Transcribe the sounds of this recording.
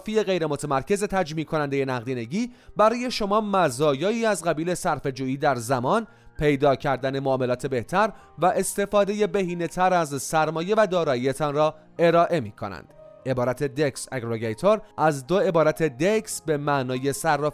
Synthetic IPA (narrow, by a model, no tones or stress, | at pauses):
fiːe̞ɣe̞jɾemo̞t̪ʰemæɾcʰe̞ze̞t̪ʰæd͡ʒmiːkʰonænd̪e̞je̞næɣd̪iːne̞ɟiːbæɾɒːje̞ʃo̞mɒːmæzɒːjɒːiːæzɣæbiːle̞sæɾfe̞d͡ʒuːiːd̪æɾzæmɒːn | pʰe̞jd̪ɒːcʰæɾd̪æne̞moɒːme̞lɒːt̪ʰe̞be̞ht̪ʰæɾ | væʔe̞st̪e̞fɒːd̪e̞je̞beɦiːne̞t̪ʰæɾæzsæɾmɒːje̞væd̪ɒːɾɒːiːje̞t̪ʰɒnrɒː | e̞ɾɒːʔe̞miːkʰonæ̰nd̪̥ʔe̞bɒːɾæt̪ʰe̞d̪ekseɡɾoɡejt̪ʰoɾʔæzd̪o̞e̞bɒːɾæt̪ʰe̞d̪eksbe̞mæʔnɒːje̞sæɾːɒː